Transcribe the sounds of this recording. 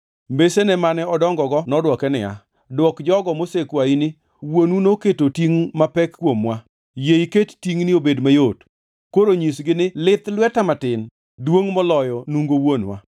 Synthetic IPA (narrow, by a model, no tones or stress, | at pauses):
mbesenɛmanɛɔdɔŋɡɔɡɔnɔdwɔkɛnɪ̰ja̰ | dwɔkd͡ʒɔɡɔmosekwainɪ | wonunoketotiŋmapɛkːwomwa | jeikettiŋnɪobedmajot | koɾoɲisɡɪnɪlɪt̪lwɛtamatɪn | dwoŋmɔlɔjɔnuŋɡowonwa